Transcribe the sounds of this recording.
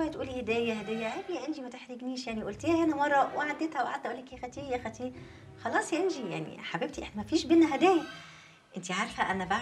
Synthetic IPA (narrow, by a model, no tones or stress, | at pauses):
wæjːæt̪ʔuːlihed̪æːjæhed̪æːjːæʕebjæʔenʒimæt̪eħɾeɡniːʃjaʕniʔolt̪eæhenæwɑɾˤːɑwʔeʕad̪ːet̪hæwʔa̰ʕad̪ːæʔolːækæxæt̪iːjæxæt̪iː | xɑlɑːsˤjæʔenʒija̰ʕnḭħabeb̚t̪iʔḛħnæmæfiːʃbenːæɦæd̪æːjæ | ʔɪnt̪iʕaːɾfhæʔænːæba